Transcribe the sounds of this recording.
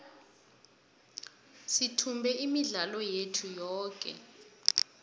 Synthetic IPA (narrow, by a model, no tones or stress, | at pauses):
sitʰumbʱɛimiɮalɔjetʰujɔːkʼɛ̰